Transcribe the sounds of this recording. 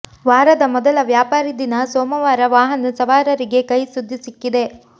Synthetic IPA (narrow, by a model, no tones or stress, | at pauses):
ʋaːɾɐd̪ɐmɔd̪ɐlɐʋjaːpaːɾid̪inɐsoːmɐʋaːɾɐʋaːɦɐnusɐʋaːɾɐɾiɡe̞kɐjsud̪ʱːisikːid̪e̞